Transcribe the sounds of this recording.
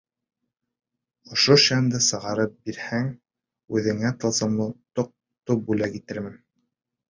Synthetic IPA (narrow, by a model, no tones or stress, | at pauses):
ŏʃoʃænd̪ɤsɤ̆ʁɑɾɤp̚biɾhæŋ | ʉðɘ̆ŋæt̪ɤ̆lˠzɤ̆mlˠɤt̪oq̚ | t̪op̚bʉlækit̪ɘɾmɘn